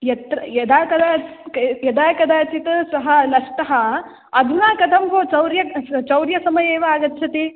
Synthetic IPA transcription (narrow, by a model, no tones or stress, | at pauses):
jɐt̪ɾɐjɐd̪aːkɐd̪aːjɐd̪aːkɐd̪aːt͡ʃit̪ɐsɐɦɐlɐsʈ̪ɐɦɐ | ɐd̪ʱunaːkɐd̪ʰʱɐmbʱoːt͡ʃɐwɾjɐt͡ʃɐwɾjɐsɐmɐjeːʋɐaːɡɐt̪ːt͡ʃʰɐt̪e